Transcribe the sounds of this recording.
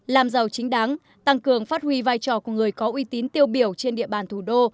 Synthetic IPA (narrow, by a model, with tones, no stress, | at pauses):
laː˨˩mzə˨˩wt͡ɕï˨˦ŋ̟ɗa˨˦ŋ | t̪a˧ŋkɨ˨˩əŋfaː˦˥t̚hwi˧vaː˧jt͡ɕɔ˧˩ku˧˩əŋɨ˨˩əjkɔ˨˦ʔwi˧t̪i˨˦nt̪i˧əwɓi˧˩əwt͡ɕe˧nɗḭ˧˨əɓaː˨˩nt̪ʰu˧˩ɗo˧